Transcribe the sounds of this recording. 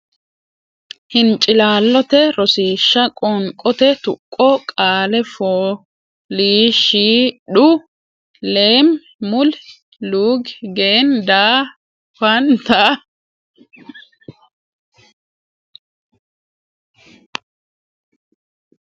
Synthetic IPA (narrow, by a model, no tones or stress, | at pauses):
hɪnt͡ʃʼːɪlaːlːɔt̪ɛɾɔsiːʃːɐkʼɔŋkʼɔt̪ɛt̪ʊkʼːɔkʼaːlɛfoː | liːʃiːɗʊ | le̞ːm | mʊl | luːɡɡeːnd̪aː | fɐnt̪a